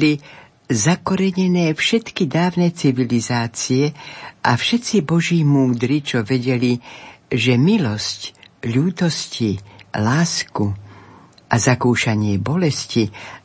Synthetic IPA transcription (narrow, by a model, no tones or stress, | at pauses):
li | zakɔɾɛɲɛnɛːfʃɛt̪kid̪aːʊnɛt͡siʋilizaːt͡siɛʔafʃɛt͡sibɔʒiːmuːd̪ɾit͡ʃɔʋɛɟɛliʒɛmilɔscʎuːt̪ɔscilaːsku | ʔazakuːʃaɲɪɛbɔlɛsci